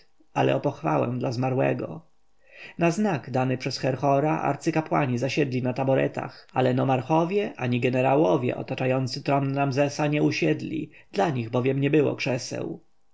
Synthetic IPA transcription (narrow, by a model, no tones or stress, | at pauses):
alɛ̰ɔpɔxfawɛ̰̃d̪lazmaɾwɛ̰ɡɔ̰ | naznaɡd̪anɘpʂɛsxɛɾxɔɾaʔa̰ɾt̪sɘkapwa̰ɲizaɕɛd̪lʲinat̪abɔɾɛ̰t̪a̰xalɛnɔmaɾxɔvʲjɛʔaɲiɡɛnɛɾawɔvʲjɛ̰ʔɔ̰t̪at͡ʂajɔnt̪sɘt̪ɾɔnɾamzɛsaɲɛuɕɛd̪lʲḭd̪laɲiɣbɔvʲjɛmɲɛbɘwɔ̰kʂɛsɛ̰w